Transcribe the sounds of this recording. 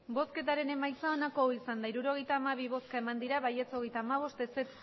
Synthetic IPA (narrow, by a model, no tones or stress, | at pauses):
bo̞ske̞t̪aɾe̞ne̞majt͡sao̞nako̞isand̪aiɾuɾo̞ɣe̞jt̪aːmaβ̞iβ̞o̞skae̞mand̪iɾaβaje̞t͡so̞ɣejt̪aːmaβ̞o̞st̪eset̪